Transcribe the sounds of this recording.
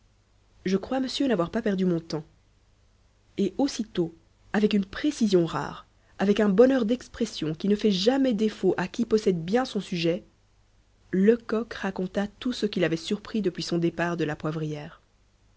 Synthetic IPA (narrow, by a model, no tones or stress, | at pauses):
ʒəkχwaməsjønavwaʁpapɛʁd̪ymɔ̃t̪ɑ̃ | eʔosit̪o | avɛkynpχesizjɔ̃ʁa̰ːʁ | avɛkɛ̃bɔnœʁd̪ɛkspχɛsjɔ̃kʲinəfɛʒamɛd̪efoʔakʲipɔsɛd̪bjɛ̃sɔ̃syʒɛ | ləkɔkʁakɔ̃t̪at̪usəkʲilavɛsyʁpχid̪əpɥisɔ̃d̪epaʁd̪əlapwavʁijɛːʁ